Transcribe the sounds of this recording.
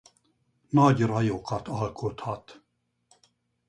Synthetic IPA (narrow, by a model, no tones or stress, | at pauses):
nɑɟrɑjokɑt̪ɑlkʰot̪hɑt̪